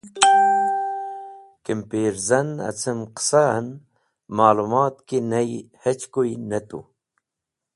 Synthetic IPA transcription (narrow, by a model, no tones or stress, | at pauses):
kimpeːɾzɐnɐ̰t͡sʰəmqə̥san | maːlumaːt̪kinɐjhet͡ɕkojinɐt̪ṵ